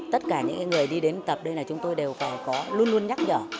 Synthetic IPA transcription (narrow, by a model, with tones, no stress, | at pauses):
t̪ə˦˥t̚kaː˧˩ɲɨ̰˧˥ŋkaː˨˦ŋɨ˨˩əjɗi˧ɗe˨˦nt̪ə˨˩p̚ɗə˧jlaː˨˩t͡ɕʊ˨˦ŋ͡mt̪o˧jɗe˨˩wfaː˧˩jkɔ˨˦lu˧ənlu˧ənɲa˦˥t̚ɲə̰ː˧˨